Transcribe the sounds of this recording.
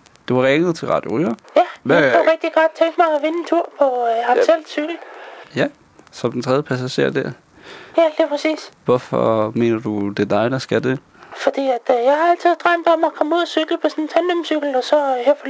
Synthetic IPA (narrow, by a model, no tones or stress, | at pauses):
d̥eʋɑ̈ʁɛŋð̩ˠt͡sʰe̝lʁɑ̈d̥jo̝ʁyːɐjæjafɑʁɛɡ̥̚d̥iɡ̥ɒd̥̚t͡sʰeŋɡ̥mɑ̈ɪɒʋe̝nent͡sʰuɐ̰pʰɒ̽ɑt͡sʰel̰d̥syɡ̥l̩jæ | sɒ̽md̥ent͡sʰʁɛðˠjəpʰæsæɕe̝ɐ̰d̥æɐ̰ | jæliːpʰʁɛsḭːsʋɔfɒme̝̰ːnɐd̥ud̥e̝d̥ɑ̈ɪd̥ɑsɡ̥æd̥e | fɒ̽d̥ḭːæd̥jɑ̈ɪhɑ̈æl̰t͡sʰið̩ˠd̥ʁɑmd̥ɒ̽mækʰɒ̽muð̰ˠsyɡ̥ləpʰɒ̽sɔnt͡sʰænlømsyɡ̥l̩ɒ̽sɒ̽heɐfɒ